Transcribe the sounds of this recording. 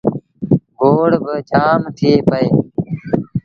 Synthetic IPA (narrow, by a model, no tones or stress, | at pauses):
ɡoːɽbət͡ʃaːmt̪ʰɪeːpəeː